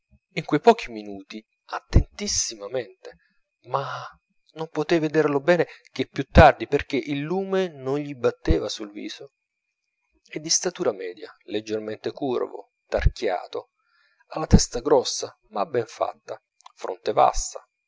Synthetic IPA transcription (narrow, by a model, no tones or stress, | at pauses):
iŋkwejpɔːkiminuːt̪i | at̪ːent̪isːimament̪e | ma | nompot̪ɛːjved̪erlobɛːnek̟epːjut̪ːard̪iperk̟eʔilːuːmenonʎibat̪ːeːvasulvḭːz̥o | ed̪ːist̪at̪uːɾamɛːd̪jaled͡ʒːerment̪ekurvo̰ | t̪arkja̰ːt̪o | alːat̪ɛst̪aɡɾɔsːa | mabːɛɱfa̰t̪ːa | fɾʔo̰nt̪eva̰sːa